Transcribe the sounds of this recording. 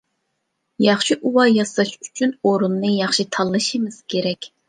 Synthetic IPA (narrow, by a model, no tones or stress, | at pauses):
jɑχʃiʔuwɑjɑsɑʃy̥t͡ʃʰynoɾunːɨjɑχʃit̪ʰɑlˠːɨʃimɨz̥kʲʰeɾɛkʲ